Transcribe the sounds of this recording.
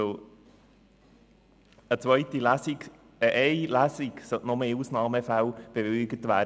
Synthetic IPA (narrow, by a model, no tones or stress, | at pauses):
o | ət͡sʋœʏtilæsiɡ | əʔɛɪlæsiɡsœʔnɔmeːusnɑːməfæwb̥eʋɪɡətʋæː